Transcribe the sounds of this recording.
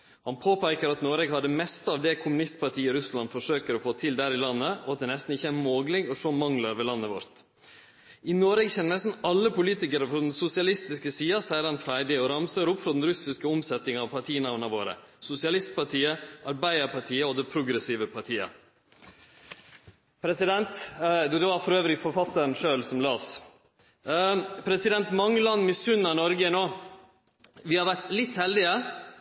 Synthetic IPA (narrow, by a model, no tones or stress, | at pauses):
hɑnpʰoːpæɪkəɾɑt̪noːɾɛːɡhɑɖɛmɛst̪əɑʋd̪ɛkʰʊmʉnɪst̪̚pɑʈʰiːəɾʉslɑnfɔʂøːkəɾɔfoːt̪ʰɪld̪æːɾɪlɑnːəʔɔɑt̪̚d̪ɛːnɛst̪n̩ɪçːəæɾmoːɡlɪɡɔʂɔːmɑŋlɑɾʋɛlɑnːəʋɔ̰ɾt̪ | ɪnoːɾeːɡçɛnənɛst̪n̩ɑlːəpʊliːt̪ɪkəɾəfɾɔd̪ɛnsʊsɪɑlɪst̪ɪskəsiːɑsæɪɾɑnfɾæɪd̪ɪɔɾɑmsəɾʊpfɾɔd̪ɛnɾʉsɪskəʊmsɛt̪ɪŋɑʋpʰɑʈʰiːənɑʋnɑʋoːɾə̰sʊsɪɑlɪst̪̚pɑʈʰiːəʔɑɾbæɪəɾpɑʈʰiːəɔd̪ɛpʰɾʊɡɾɛsiːʋəpʰɑʈʰiːə̰ | pʰɾɛsɪd̪ɛnt̪d̪uːd̪ɛʋɑɾfɔɾøːʋɾɪfɔɾfɑt̪ːəɾnʂøːlsɔmlɑːs | pʰɾɛsɪd̪ɛnt̪mɑŋːlɑnmɪsʉnːɑnɔɾɡənoː | ʋɪhɑɾʋæʈ̪lɪt̪hɛld̪ɪə